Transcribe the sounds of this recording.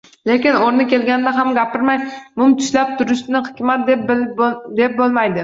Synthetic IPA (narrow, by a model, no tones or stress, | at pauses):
le̞kʲɪnoɾnɪkʲe̞lɡʲanɪd̪aɦamɡʲapʰɪɾmajmʊmt̪ʰʊ̥ʃlap̚t̪ʰʊɾɪʃnɪhɪkʲmat̪̚d̪e | d̪e̞p̚bolˠmajd̪ɪ